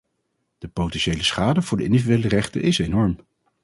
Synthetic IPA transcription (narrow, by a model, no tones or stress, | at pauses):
d̥əpowtɛnʃejləsχaːdəvʊːɹdəɪ̰ndividyejlərɛχtə̰ʔɪsejnɔɹm